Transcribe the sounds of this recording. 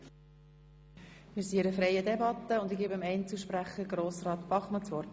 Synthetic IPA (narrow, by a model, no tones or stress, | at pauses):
mɪːɾsiɪɾəfɾɛjədɛbɑt̪ːəʊnd̪ɪɡiːbəmɛɪnt͡suʃpɾæχəɡɾoːsrɑːt̪b̥ɑχmɑt͡sʋɔrt